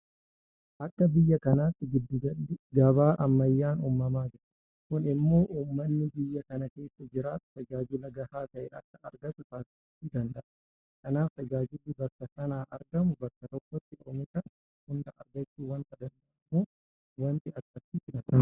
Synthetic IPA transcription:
ʔɐkːɐbɪjːɐkɐnaːt̪ːɪɡɪd̪ːɪɡɐbaːʔɐmːɐjːaːnumːɐmaːd͡ʒɪɾɐ | kʊnɪmːo̞ːʔuːmːɐnːɪbɪjːɐkɐnɐke̞ːsːɐd͡ʒɪɾaːt̪ʊ̥t̪ɐd͡ʒaːd͡ʒʊlɐɡɐhaːt̪ɐʔɛːʔɐkːɐɐɾɡɐt̪ʊsaːsɪɪt̪ːɪd̪ɐnd̪ɐʔɐ̥ | kɐnaːft̪ɐd͡ʒaːd͡ʒʊlːɪbɐkːɐkɐnaːʔɐɾɡɐmʊbɐkːɐt̪ɔkːɔt̪ːɪʔɔmɪsɐ | hʊnd̪ɐʔɐ̰ɾɡɐt͡ʃːuːwɐnt̪ɐd̪ɐnɐmuː | wɐnt̪ɪɐkːɐsɪsɪnɐt̪ɐ

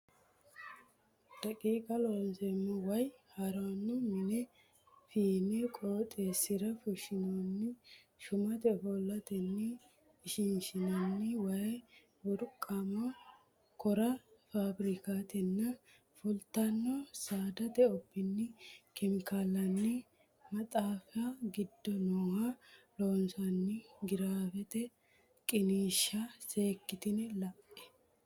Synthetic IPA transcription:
d̪̥ɐkʼiːkʼɐloːnsɛmːʊwɐjhɐɾanːʊmɪnɛ | fiːnɛkʼoːt̪ʼesɪɾɐfʊʃɪnonːɪ | ʃʊmɐt̪ɛfɔlːɐt̪ɛnːɪː | ʃɪnʃɪnonːɪwɐ | wɔɾkʼːamɐ | kɔɾɐfaːbɾɪkaːt̪ɛnːɐ | fʊlt̪ɐnːɔsaːd̪ɐt̪ɛɔbːɪnːɪkʰɛmɪkaːlɐnːi | mɐt̪ʼaːfaɡɪd̪ːɔnoːhaloːnsɐnːiɡɪɾaːfɛt̪ɛ | kʼɪniːʃːase̞ːkːɪt̪ɪnɪlɐpːɛ̥

